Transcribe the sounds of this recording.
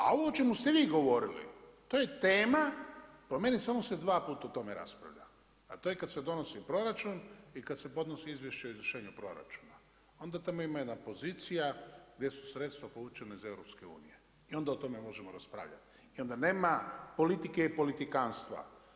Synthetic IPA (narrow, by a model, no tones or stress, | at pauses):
a̰o̞ʋoot͡ʃe̞must̪eʋiːɡo̞ʋo̞ɾilḭt̪oje̞t̪eːmapome̞nisamose̞d̪ʋaːpuːt̪aut̪o̞meɾa̰spɾa̰ʋʎa̰ː | t̪o̞ːjekad̪sed̪o̞no̞sipɾo̞ɾat͡ʃunikad̪se̞po̞d̪no̞siizʋje̞ʃt͡ɕaoizvɾrʃeːɲupɾo̞ɾa̰t͡ʃu̥ːna | o̞nd̪at̪amoimajed̪napo̞ziːt̪sijaɡd̪jesu̥sɾe̞t̪st̪ʋapout͡ʃenaize̞vɾo̞pske̞ṵːnḭje | io̞nd̪aot̪o̞memo̞ʒe̞moɾaspɾa̰ːʋʎa̰t̪ | io̞nd̪aneːmapo̞lit̪ikeipo̞lit̪ikaːnst̪ʋa̰